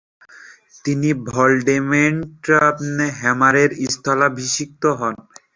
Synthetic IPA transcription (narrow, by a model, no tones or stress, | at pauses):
t̪inibʱɔlɖemeɳʈɾapneɦɛmaɾeɾist̪ʰɔlabʱiʃik̚t̪oɦɔn